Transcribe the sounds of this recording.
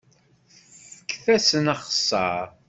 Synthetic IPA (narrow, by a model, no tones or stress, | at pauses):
θə̥kːθæsənəχə̥sˤːɑɾ